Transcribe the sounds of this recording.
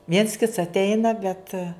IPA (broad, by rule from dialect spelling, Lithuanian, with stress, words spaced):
ʋʲiɛns kʲɪts ɐtʲˈɛɪnɐ bʲɛt